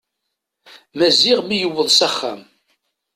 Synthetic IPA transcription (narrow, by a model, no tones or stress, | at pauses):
mæziʁmijəwːəðˤsæχːæ̰m